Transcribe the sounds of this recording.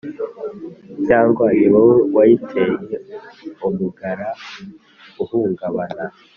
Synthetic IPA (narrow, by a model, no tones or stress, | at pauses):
caːŋɡwaɲiβawwaitʰejeumuɡaɾa | uhuːŋɡaβana